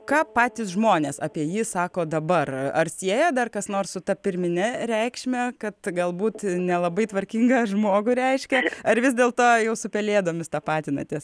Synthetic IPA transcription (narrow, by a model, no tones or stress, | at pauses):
kɑːpɑːt̪ʲɪsʒmoːnʲeːsɑːpʲiɛjiːsɑːkoːd̪ɐbɐrɐrsʲiɛjɛd̪ɐrkɐsnoːrssʊt̪ɐpʲɪɾʲmʲɪnʲɪɾʲɛɪkʃʲmʲɛkɐt̪ɡɐlˠbuːt̪nʲɛlˠɐbɐɪt̪ʋɐɾʲkʲiŋɡɐʒmoːɡʊɾʲɛɪʃʲkʲɛɐɾʋʲɪzʲdʲeːlˠt̪oːjɛʊsʊpʲɛlʲeːd̪oːmʲɪst̪ɑːpɑːt̪ʲɪnɐ̰t̪ʲɪs